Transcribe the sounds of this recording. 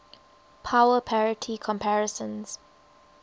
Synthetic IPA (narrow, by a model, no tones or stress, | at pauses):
pʰawəpʰɛɹɪtʰikʰɔ̃mpʰæɹəsə̃nz̥